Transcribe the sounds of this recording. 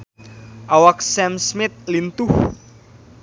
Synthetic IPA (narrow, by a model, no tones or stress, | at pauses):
ʔawak̚sɛmsmɪt̪̚lint̪ʊh